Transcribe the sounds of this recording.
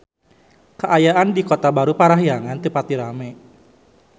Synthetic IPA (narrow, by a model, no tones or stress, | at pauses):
kəʔajaʔandikɔt̪abaɾupaɾaɦjaŋant̪ɨpat̪iɾamɛ